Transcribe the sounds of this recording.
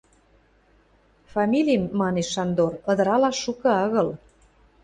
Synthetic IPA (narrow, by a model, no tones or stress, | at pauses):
fɑmʲilʲimːɑneʃːɑnd̪orɤ̆d̪ɤ̆ɾɑlɑʃʃːukɤ̆ɑɣɤ̆l